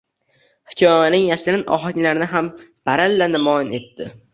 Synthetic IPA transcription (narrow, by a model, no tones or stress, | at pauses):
hɪkʲʰɒmanɪŋjaʃɾɪnʔɒ̰ɦanlaɾnɪɦamb̥aɾalːanɪmɒjɪne̞t̪ːɪ